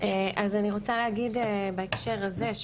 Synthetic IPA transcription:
ʔeʔazaniʁot͡saleɦaɡid̪ebaekʃe̞ʁazeʃ

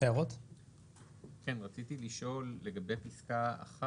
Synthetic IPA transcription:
eaʁot̪ | kenʁat͡sitiliʃo̞lːe̞ɡabe̞jpiskaa̰χa

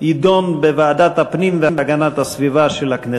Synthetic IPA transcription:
id̪onbevaad̪at̪apnimvemveaɡanat̪asvivaʃelakne

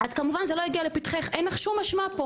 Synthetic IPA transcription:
adkamuvanzelojiɡialepit̪χeχʔejnlaχʃumːaʃmapo

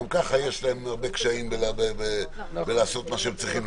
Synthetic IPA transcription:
mkaχaje̞ʃlae̞maʁbe̞kʃaimbelabebe | belaːso̞t̪maʃeemt͡sʁiχim

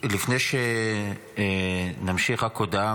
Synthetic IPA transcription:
lifnejʃe | namʃiχakod̪a

